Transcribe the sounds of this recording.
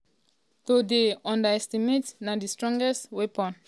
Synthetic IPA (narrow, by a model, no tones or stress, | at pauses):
todeɔ̃ndəɛstimetnãdistɹɔ̃ŋɡɛstwepɔ̃n